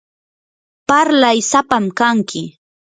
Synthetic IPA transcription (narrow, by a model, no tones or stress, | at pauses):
paɾlajsapamkaŋkɪ